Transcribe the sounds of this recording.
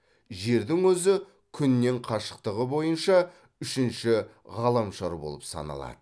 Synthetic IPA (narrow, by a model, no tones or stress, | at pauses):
ʒe̞ɾd̪ɪŋwɵzɪ | kʲʰʏnːe̞ɴqʰɑʃə̥qt̪əʁəbo̞jənʃɑ | ʏʃɪnʃɪʁɑlˠɑmʃɑɾbo̞̰lˠə̰psɑ̰nɑ̰lˠɑ̰d̪̥ə